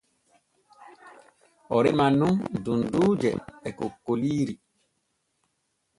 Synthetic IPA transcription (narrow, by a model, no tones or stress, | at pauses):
ɔɾimanũŋdunduːd͡ʒɛ̰ɛkokːoliːɾi